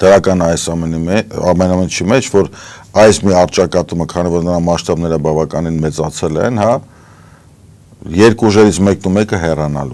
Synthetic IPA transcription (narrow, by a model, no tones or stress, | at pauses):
d̪̥əɾɑkɑnɑjsɑmɛniɛɑ̰mɛnɑmɛnt͡ʃʰimɛt͡ʃʰvɔɾɑjsmiɑɾt͡ʃɑkɑt̪uməkʰɑnivɔɾnəɾɑnmɑʃt̪ɑbnɛɾəbɑvɑkɑninmɛt͡sɑt͡sʰɛlɛ̰nhɑ | jɛɾkʰuʒɛɾit͡sʰmɛk̚numɛkəɦɛrɑnɑ̰lṵ